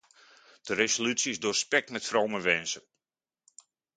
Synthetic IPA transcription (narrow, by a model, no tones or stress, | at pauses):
d̥əɾesolysiɪzdʊːrspɛk̚tmɛtfrowməʋɛnsən